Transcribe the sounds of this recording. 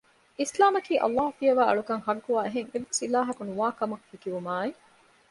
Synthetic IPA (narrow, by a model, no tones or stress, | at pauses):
ʔislaːmɐkiːʔɐ̰lːaːɦufiɐʋaːɐ̰ɭukɐŋhɐɡːuʋaːeɦeŋeʋːesilaːɦɐkunuʋaːkɐmɐkfikiʋumaːe